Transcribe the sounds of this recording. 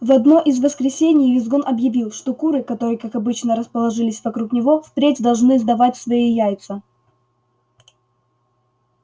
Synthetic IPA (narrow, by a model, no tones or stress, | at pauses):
vɐd̪no̞ʔɪzvəskɾʲɪsʲenʲɪjvʲɪzɡonʔɐbjɪvʲilˠʂt̪o̞kuɾɨkɐt̪o̞ɾɨjkakɐbɨt͡ɕnəɾəspəlˠɐʐɨlʲɪsʲvɐkɾuknʲɪvo̞fpɾʲetʲd̪ɐlˠʐnɨzd̪ɐvatʲsvɐijajt̪sə